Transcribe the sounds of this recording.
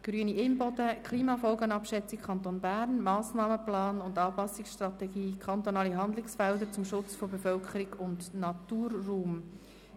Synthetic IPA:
ɡ̥ɾyəniʔɪmbɔd̥əkʰliːmɑfɔlɡənɑpʃɛt͡sɪk̚kʰɑnt̪oːnbæːɾnmɑːsnɑːməplɑːnʊndɑːpɑsɪksʃtɾɑt̪ɛɡiːkʰχɑnt̪ɔnɑːliɦɑnd̪lɪksfɛldət͡sʊmʃʊt͡sfɔbefœlkʰəɾɪɡʊndnɑt̪uːrːuːm

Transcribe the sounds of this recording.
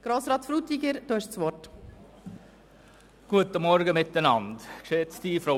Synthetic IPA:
ɡ̥ɾoːsɾɑːt̪fɾuːt̪iɡəɾd̥̪uɪʃsʋɔt | ɡ̥uətəmɔɾɡəmɪt̪ːənɑndkʃet͡sd̥iːfɾo

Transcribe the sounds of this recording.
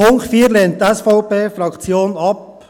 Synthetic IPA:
ʊŋktfiːəɾleːntɛsfɔʊpeːfɾɑkt͡sjoːnɑp̚

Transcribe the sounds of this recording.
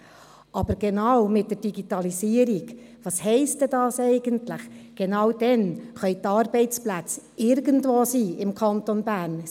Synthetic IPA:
ʔɑb̥əɾɡ̥ɛnɑwmɪt̚d̥əɾd̥iɡitɑlisiːəɾiɡ | ʋɑːshɛɪstɛdɑːsɛɪɡəntlɪχɡ̥enɑwd̥ɛnχœʏt̪ɑːɾbɛɪt͡splæt͡sɪɾɡəntvoːsiːɪmkʰɑntonbæːɾn

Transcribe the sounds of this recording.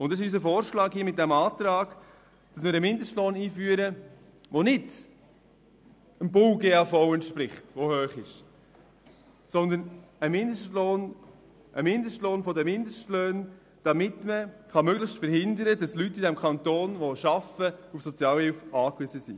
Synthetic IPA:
ʊntdɑsɪʃys̬əfoːɾʃlɑːkhiːmɪt̚d̥ɛmɑːt̪ɾɑːɡ̥ | d̥ɑsmɪːɾəmɪndəʃtloːniːfyːəɾə | ʋonɪd̥ | ənbʊwɡeːɑːfɔʊɛntʃpɾɪχtʋohøːχɪʃ | sɔnd̪ənəmɪnd̪əʃtloːn | ʔəmɪnd̪əʃtloːnfɔdəmɪndəʃtløːn | d̥ɑmɪt̪məχɑmøɡlɪçstfəɾhɪnd̪əɾədɑslytːidɛmkʰχɑnt̪oːnʋoʃɑfəufsɔt͡sjɑːlhɪlfɑːkʋʏzəsḭ

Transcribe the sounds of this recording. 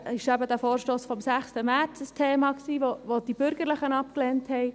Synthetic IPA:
ɪʃæbəd̪æfoːɾʃtoːsfɔmsæχstəmæɾt͡səstʰeːmɑksiːʋoʋod̥ib̥ʏɾɡəɾləχənɑpklenthɛj

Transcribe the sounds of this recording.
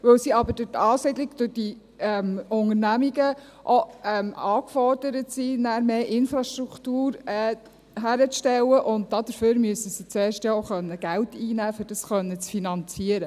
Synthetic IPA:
ʋɵwsiɑbədʊtɑːsɪdlɪɡd̥ʊd̥i | ɛmʊŋəɾnæmiɡə | ʔoɛmɑːkfɔrd̥əɾətsinæːɾmeːʔɪnfɾɑʃtɾuktuːɾɛː | ɦæɾəʃtɛwːəʔʊnt̚dɑd̥̪əɾføːɾmyəsəsit͡seːɾʃtjɑoχœnːəɡ̥æwtiːnæːfʏɾd̥ɑsχœnːət͡sfinɑnt͡siəɾə

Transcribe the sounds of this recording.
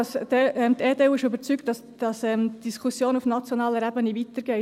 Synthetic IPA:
ɑsd̥ɛɛmt̪ɛːdɛwɪʃʏbəɾt͡sykt̚d̥ɑs | d̥ɑsɛmtd̥iskʰusjoːnufnɑt͡sjonɑːləɾæbənivit̪əɾɡ̥ɛɪ

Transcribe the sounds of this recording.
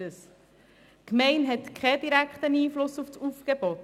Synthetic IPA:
əs | kmɛɪnɦɛtkʰχɛd̥iɾækχt̪əniːflʊsufsufɡ̥ebɔt

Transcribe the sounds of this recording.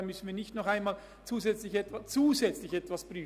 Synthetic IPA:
mʏsn̩viːɐnɪçtnɔχaɪnmaːl | t͡suːzɛt͡slɪçɛtvast͡suːzɛt͡slɪçɛtv̥asb̥ʁ̥yː

